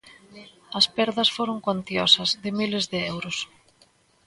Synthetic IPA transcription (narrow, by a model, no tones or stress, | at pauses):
ɐspɛɾðɐsfoɾoŋkant̪jɔsɐzðɪmilezðɪɛwɾʊs